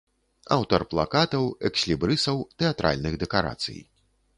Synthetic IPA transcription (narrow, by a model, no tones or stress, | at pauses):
a̰wt̪ɐrplˠa̰kat̪ɐwɛksʲlʲibɾɨsɐwt̪ɛat̪ɾʔa̰lʲnɨɣd̪ɛkaɾa̰t̪sɨ̰j